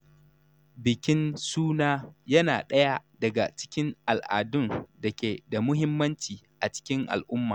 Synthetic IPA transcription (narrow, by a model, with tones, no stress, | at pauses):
bɪ˨kʲɪ˦nsuː˦naː˦jɐ˦naː˨ɗɐ˦ja˦dɐ˨ɡa̰˨t͡ʃɪ̥˦kʲɪ˦ŋʔa˨lʔa̰ː˨dʊ˦ndɐ˨kʲeː˨da˨mʊ˦ɦɪ˦mːɐ˦nt͡ʃiː˨ʔa˨t͡ʃɪ̥˦kʲɪ˦ŋʔa̰˨lʔʊ˦mːa̰ː˨